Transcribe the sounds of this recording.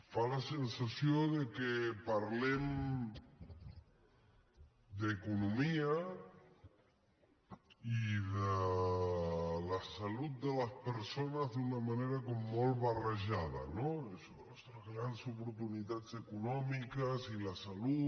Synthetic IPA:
falasensasioðəkepaɾlem | d̪ekunumia | iðə | ləsalut̪̚d̪ələspəɾsonəzðunamaneɾakɔmːolˠβarəʒað̞ɐ̰noeso | st̪ɾəzɣɾansupuɾt̪unit̪ad͡zekunɔmikəzilasalu

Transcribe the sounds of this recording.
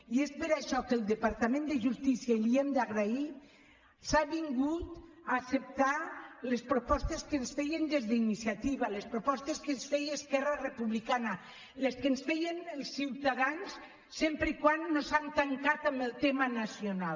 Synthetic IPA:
iespeɾaʃɔkelˠd̪əpaɾt̪amẽnd̪eʒust̪isialiemd̪aɣɾai | saβiŋɡut̪ | aːsep̚t̪alespɾopɔst̪eskensfɛjend̪ezðəinisiat̪iβ̞alespɾopɔst̪eskensfɛjeskɛrarepuβlikana | leskensfɛjenelˠsːiwt̪aðansː | empɾeikwanːosant̪aŋkat̪ambəlˠt̪emanasional

